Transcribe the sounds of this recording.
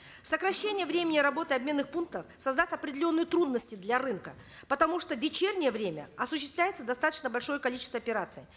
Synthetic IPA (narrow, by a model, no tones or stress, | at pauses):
səkɾɐɕːenʲɪjəvɾʲemʲɪnʲɪɾɐbo̞t̪ɨɐbmʲe̞nːɨxpunk̚t̪əfsɐzd̪asʲtʲɐpɾʲɪdʲɪlʲo̞nːɨjət̪ɾud̪nəsʲtʲɪd̪lʲaɾɨnkə | pət̪ɐmuʂt̪ovʲɪt͡ɕernʲɪjəvɾʲemʲə̰ɐsʊɕːɪst̪vlʲæjɪt̪səd̪ɐst̪at̪ə̥t͡ɕnəbɐlʲʂo̞jəkɐlʲit͡ɕɪst̪vəɐpʲɪɾat̪sɨjɪ